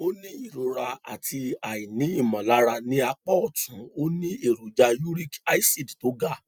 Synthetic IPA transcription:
o˦nĩ˦i˦˨ɾo˧ɾa˧a̰˨ti˧a˨i˨nĩ˨˦i˦˨mɔ̃˨la˨˦ɾa˧nĩ˦a˧k͡pɔ˦ɔ˦˨tũ˨˦o˦nĩ˦e˦˨ɾu˨˦d͡ʒa˧ju˦ɾi˦ka˦i˦si˦˨dto˨˦ɡa˦˨

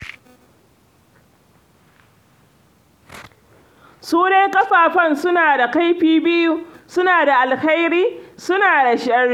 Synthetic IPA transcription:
suː˦ne˦kʼɐ˦ɸaː˨ɸɐ˦˨nsʊ˦naː˨da˨ka˦jɸiː˨bɪ˦ju˦sʊ˦naː˨da˨ʔa˨lha˦jɾiː˦sʊ˦naː˨da˨ʃɪ˦ɐ˦r

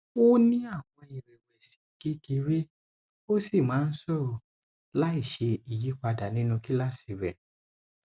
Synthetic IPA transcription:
o˦nĩ˦a˦˨w̃ɔ̃˧i˨ɾɛ˨wɛ˨si̥˨˦ki˦ki˧ɾi˦ | o˦si˦˨mãː˨˦n̩˦sɔ˦˨o˨ | la˦i˦˨ʃe˧i˨ji˨˦k͡pa˧da˨nĩ˦nũ˧ki˦la˦si˨˧˦wɛ˨

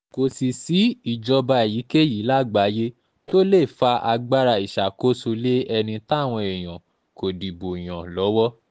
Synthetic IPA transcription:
ko˨si˨si˨˦i˨d͡ʒɔ˧ba˧ɛ˨ji˨˦ke˦ji˨˦la˦ɡ͡ba˨˦je˦ | to˦le˦˨fa˧ʔa˧ɡ͡ba˦ɾa˧i˨ʃa˨ko˦su˧le˦ɛ˧nĩ˧ta˦˨w̃ɔ̃˧e˨j̃ã˨ | ko˨di˨bo˨i˨j̃ã˨lɔ˨˦wɔ˦

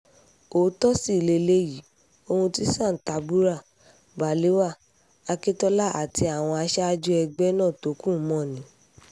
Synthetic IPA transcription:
o˨˦tɔ˦si˦˨le˧le˧ji˨˦ | o˧hũ˧ti˦sã˦˨ta˧˦bu˦ɾa˦˨ | ba˨le˨˦wa˦˨ | a˧ke˦tɔ˧la˦˨ʔa˨ti˧˦a˨w̃ɔ̃˧a˧ʃɛ˦a˧d͡ʒu˦ɛ˧ɡ͡bɛ˦nãː˦˨to˨˦kũ˦˨˦mɔ̃˦˨nĩ˨˦

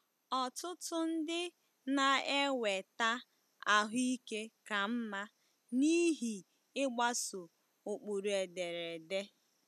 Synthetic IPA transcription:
ɔ˨tʊ˦tʊ˦n̩˦dɪ˦ | na˨e˦we˨ta˦ | a˨ɦʊ˦i˦ke˦ka˨m̩˦ma˦ | ni˦ɦi˨ | ɪ˦ɡ͡ba˦sʊ˨ | o˨k͡pu˨ɾu˨e˨de˨ɾe˨de˦

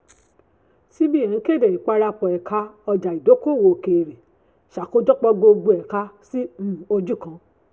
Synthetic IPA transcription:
si˦bi˦ɛ̃˨˦ke˦˨dɛ˨i˨k͡pa˧ɾa˧k͡pɔ˨ɛ˨kʰa˧ɔ˧d͡ʒa˨i˨do˨˦ko˦˨wo˧˨ke˨ɾi˨ | ʃa˨ko˦dɔ˦k͡pɔ˧ɡ͡bo˧ɡ͡bo˧ɛ˨ka˧sĩ˦˨o˧d͡ʒu˦˨kã˧˦

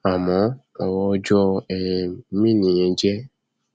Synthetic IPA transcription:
a˨mɔ̃˨˦ | ɔ˨wɔ˧˦d͡ʒɔ˦ɛ˨˦mĩ˦˨nĩ˨jɛ̃˨˦d͡ʒɛ˦

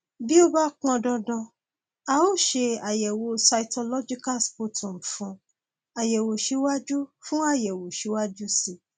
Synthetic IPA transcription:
bi˦o˦ba˦kɔ̃˧dɔ̃˧dɔ̃˧ | a˧o˦˨ʃe˧a˨jɛ˨wo˧sa˧i˨˧to˧lɔ˦d͡ʒi˦ka˦˨spo˦˨tʰũ˨fũ˧˦ | a˨jɛ˨wo˨ʃe˨˦wa˦d͡ʒu˦fũ˦a˦˨jɛ˨wo˨ʃi˨˦wa˦d͡ʒu˦si˦˨

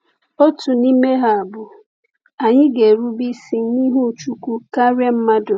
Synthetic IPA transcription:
o˦tʊ˨ni˦me˦ɦa˨a˨bʊ˨ | a˨ɲɪ˦ɡe˨ɾu˦bi˦si˦n˦ni˦ɦu˦˨t͡ʃu˦kʷu˦ka˦ɾe˦m̩˦ma˦dʊ˨

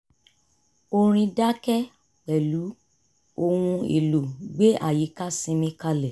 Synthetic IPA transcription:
o˧ɾ̃ĩ˧da˦kɛ˦ | k͡pɛ˨lu˨˦ | o˧wũ˧ḛ˨lo˨ɡ͡be˦ʔa̰˦˨ji˨˦ka˦sĩ˧mĩ˧˦ka˦lɛ˨

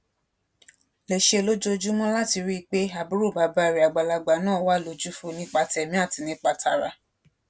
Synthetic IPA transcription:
lɛ˨ʃe˧˦˨lo˦d͡ʒo˦˧d͡ʒu˦mɔ̃˦la˦ti˧ɾi˦˧k͡pe˦a˦˨bu˨˦ɾu˦˨ba˨˦ba˧˦˨ɾi˨a˨ɡ͡ba˨la˧ɡ͡ba˨˦nãː˦˨˦wa˦˨lo˧d͡ʒu˦fu˦nĩ˦k͡pa˧tɛ˨mĩ˦a˦˨ti˨˧nĩ˦k͡pa˧tʰa˧˨ɾa˨˧

